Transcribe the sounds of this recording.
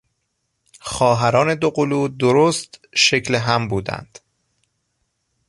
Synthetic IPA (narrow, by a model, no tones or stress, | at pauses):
xɒːɦæɾɒːne̞d̪oɢoluːd̪oɾoːst̪ʃe̞cʰleɦæmbuːd̪æ̰nd̪̥